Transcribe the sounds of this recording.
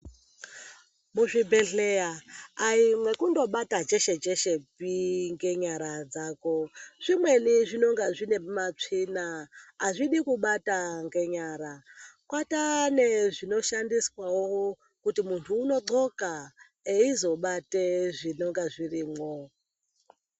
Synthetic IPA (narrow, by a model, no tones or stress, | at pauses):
muʐibʱe̞ɮe̞aaimwe̞kundo̞ɓatad͡ʒe̞ʃe̞d͡ʒe̞ʃe̞piŋɡe̞ɲaɾad͡zaːko̞ʐ̥imwe̞niʐino̞ŋɡaʐine̞mat͡ʂinaaʐiɗikuɓataŋɡe̞ɲaːɾakwataneʐino̞ʃandiswawowo | kutimuntʰuːno̞ǃoka | eizo̞ɓateʐino̞ŋɡaʐiriːmwo